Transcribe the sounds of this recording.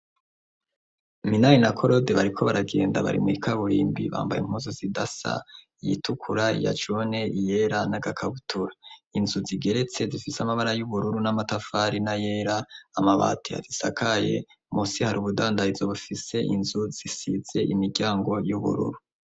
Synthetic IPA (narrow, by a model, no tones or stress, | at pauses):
minaɾinakʰo̞ɾo̞deβaɾikʰo̞βaɾaɡe̞ːnda̰βa̰ɾḭmŋikʰaβuɾḭːmbḭβa̰ːmba̰jḭm̥huzozidasa̰ | jḭtukʰuɾaḭja̰t͡ʃone̞ʔije̞ɾanaɡakʰaβutʰuɾainzuziɡe̞ɾe̞t͡se̞zifisamaβaɾajuβuɾuɾunamatafaːɾinaje̞ːɾaːmaβa̰ːtʰija̰zisakʰaje̞̰ | musihaɾuβudaːndaizoβufise̞ʔinzuz̥isize̞ʔimiɡjaːŋɡo̞juβṵɾṵɾu